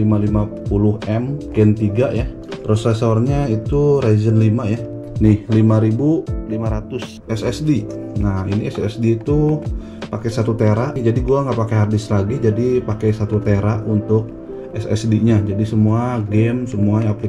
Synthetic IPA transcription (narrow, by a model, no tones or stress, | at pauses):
limalimapulʊɦʔɛmɡɛnt̪iɡaʔja | pɾosɛsɔrɲait̪uɾezənlimaja | nɪhlimaɾibulimaɾat̪ʊs | ɛsɛsdinahḭniɛsɛsdiːt̪u | pakɛsat̪ut̪eɾaʔd͡ʒadiɡuaŋɡapakejɦardɪslaɡid͡ʒadipakɛjsat̪ut̪eɾaʔunt̪ʊk̚ | ɛsɛ̰sdiɲad͡ʒadisəmuaɡɛmsəmuaɲapli